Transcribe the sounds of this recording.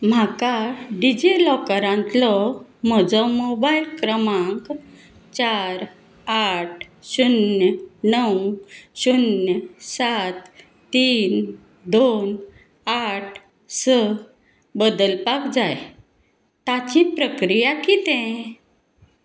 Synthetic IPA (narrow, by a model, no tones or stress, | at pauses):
m̤akaɖid͡ʑelɔkəɾãnt̪lɔm̤əd͡zɔmobailkɾəmãŋk | t͡ɕaɾ | aʈ̚ʰɕunjənəwɕunjəsat̪ː | iːn | d̪on | aʈ̚ʰ | sə | bəd̪əlpakd͡zaj | t̪at͡ɕipɾəkɾijakit̪ɛ̃